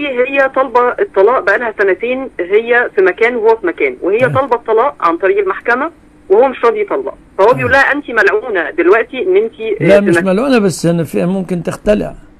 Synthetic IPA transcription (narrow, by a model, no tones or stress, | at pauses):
iːɦejːæt̪ˤɑlbɑet̪ˤːɑlɑːʔbæʔælhæsænæt̪eːnɦejːæfimækæːnwhowːæfimækæːnwehejːæt̪ˤɑlbɑt̪ˤːɑlɑːʔʕa̰nt̪ˤɑɾiːʔelmaħkæmæ | wehowːæmeʃɾˤɑːd̪it̪ˤɑlːɑ̰ʔfæhowːæbejʔuːlːæhæʔænt̪imælʕuːnæd̪elwæʔt̪iʔenːʔent̪ilæimæmælʕuːnæbæsːænːæfiæmomkɪnt̪ɪxt̪ælɪ̰ʕ